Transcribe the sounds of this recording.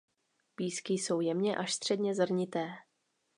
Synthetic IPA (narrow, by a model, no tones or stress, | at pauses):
piːskɪso̞wjɛmɲɛʔaʃst̪r̥ɛdɲɛzr̩ɲɪt̪ɛː